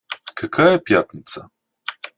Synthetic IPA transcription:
kʰɐkʰajɛpjat̪nʲit̪sə

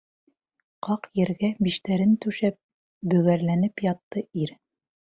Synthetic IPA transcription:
qɑqjɘ̆ɾɡæbiʃt̪æɾɘnt̪ʉʃæp̚ | bɵ̆ɣæɾlænɘpjɑt̪ːɤiɾ

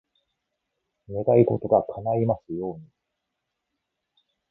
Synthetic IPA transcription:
ne̞d̪ait̪ot̪oɡakʰanaimasɨjo̞ːɲ̟i

